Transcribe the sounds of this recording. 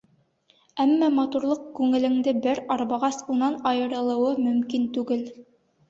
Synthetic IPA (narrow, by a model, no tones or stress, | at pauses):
æmːæmɑt̪uɾlˠɤqkʉŋɘ̆lɘ̆ŋd̪ɘbɘɾɑɾβɑʁɑsunɑnɑjɤ̆ɾɤ̆lˠɤ̆wɤmɵ̆mkint̪ʉɡɘl